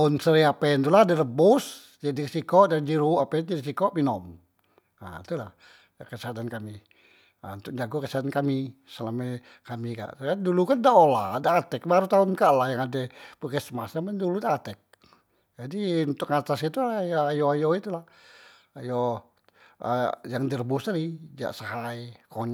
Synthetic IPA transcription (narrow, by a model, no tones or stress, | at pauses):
ʊnsəɾiapɛnt̪uladaləbʊs | d͡ʒadiksikɔʔdand͡ʒiɾuʔapɛnd͡ʒadisikɔʔminɔm | a̰t̪ula̰h | kəsəat̪ankami | a̰unt̪ʊk̚d͡ʒaɡɔkəsat̪ankami | səlamɛ | kamika̰ʔkandulukandaoladaːt̪ɛk̚baɾut̪aʊnkaʔlahjaŋadɛpukɛsəmasamanduludaːt̪ɛk̚ | d͡ʒadiunt̪ʊkat̪asit̪ujajoajoit̪ulah | ajɔ | ə̰jaŋd̪ərbust̪alid͡ʒa̰ʔsaɦaikɔɲ